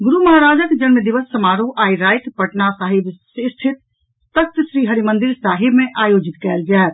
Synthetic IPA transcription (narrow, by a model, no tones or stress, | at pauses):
ɡʊɾuməɦaɾaːd͡ʒəkd͡ʒənməd̪iʋəsːəmaɾuʔaːiɾaːjt̪pəʈnasaɦɪbsest̪ʰɪt̪̚ | t̪ək̚t̪ʃɾiːɦəɾimənd̪iɾsaːɦɪbmẽʔaːjoːd͡ʒɪt̪kɛːld͡ʒaɛt̪